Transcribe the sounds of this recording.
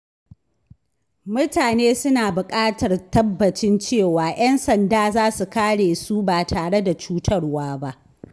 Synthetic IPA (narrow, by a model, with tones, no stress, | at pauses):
mʊ˦taː˨neː˦sʊ˦naː˨bʊ˨kʼaː˦tɐ˨rtɐ˦bːɐ˨t͡ʃɪ˦nt͡ʃeː˦˨waː˨j̰ɐ˦nsɐ˨ndaː˦zaː˦su˨kaː˦ɽeː˨su˦baː˨tʰaː˨ɽe˦da˨t͡ʃuː˦tʰɐ˦rwaː˦ba˦ʔ